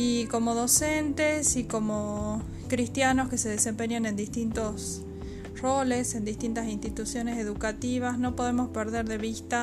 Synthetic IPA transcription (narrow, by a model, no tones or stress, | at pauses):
iko̞moðo̞sent̪esiko̞mo | kɾist̪jano̞ske̞se̞ðese̞mpe̞ɲjanẽnd̪ist̪int̪os | ro̞lesend̪ist̪int̪asinst̪it̪usjo̞nese̞ðukat̪iβ̞asno̞po̞ð̞emo̞speɾðe̞ɾðe̞βist̪a